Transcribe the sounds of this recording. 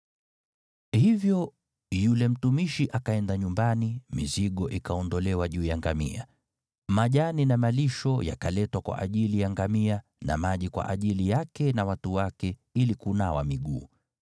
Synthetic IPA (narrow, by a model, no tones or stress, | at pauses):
hivjɔ | julɛm̩tumiʃiʔakaɛndaɲumbanimiziɠɔʔikaɔndɔlɛwaʄuːjaŋɡamḭa̰ | maʄaninamaliʃɔja̰kalɛtwakwa̰ʔaʄilijaŋɡamia | na̰maʄikwa̰ʔaʄilijakɛnawatuwakɛilikunawa̰miɠṵː